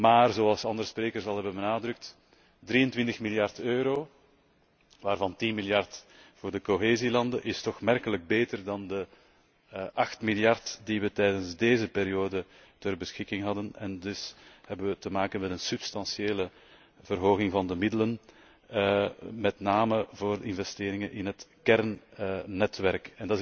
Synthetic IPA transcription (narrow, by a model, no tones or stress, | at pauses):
maːrzoːɑlˠsɑndəɾəspreːkərsɑlˠɦɛbənbənaːdɾʏk̚t | dɾiːəntwʋɪntəxmiljɑrtøːɾoː | ʋaːrvɑntinmiljɑrtvʊːrdəkoɦeːzilɑndəʔɪstɔxmɛrkələɡ̚beːtərdɑndə | ʔɑxtmiljɑrtdiʋətɛjdənzdeːzəpeːɾijoːdə | tərbəsxɪkɪŋɦɑdənɛ̰ndʏshɛbənʋətəmaːkənmɛtənsɵpstɑnsjeːlə | v̥ərɦoːɣɪŋvɑndəmɪdələn | mɛtnaːməvoːrdəɪnvɛsteːɾɪŋənʔɪnɦətkɛrnː | ɛtʋɛrkɛndɑt